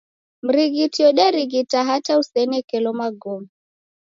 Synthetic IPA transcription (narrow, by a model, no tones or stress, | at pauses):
m̩ɾiɣitiɔɗɛɾiɣitaɦatausɛnɛkɛlɔmaɡɔmu